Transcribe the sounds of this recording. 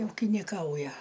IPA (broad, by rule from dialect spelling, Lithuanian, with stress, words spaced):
uːkʲɪnʲɪˈkɐʊjɛ